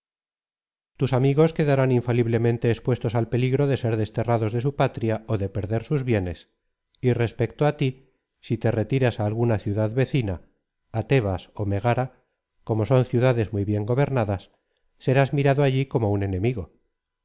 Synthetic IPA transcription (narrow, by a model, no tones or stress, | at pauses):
t̪usamiɣo̞ske̞ðaɾaniɱfaliβle̞mẽ̞nt̪e̞ːspwe̞st̪o̞salpe̞liɣɾo̞ðe̞se̞ɾðe̞st̪e̞raðo̞zðe̞supat̪ɾjao̞ðe̞pe̞ɾðe̞ɾsuzβje̞ne̞s | ire̞spe̞kt̪oat̪i | sit̪e̞re̞t̪iɾasaːlɣunaθjuðaðβe̞θinaː | t̪e̞βaso̞me̞ɣ̞aɾa | ko̞mo̞so̞nθjuðaðe̞zmujβje̞ŋɡo̞βeɾnaðasː | e̞ɾazmiɾaðoaʎiko̞moune̞ne̞miɣo̞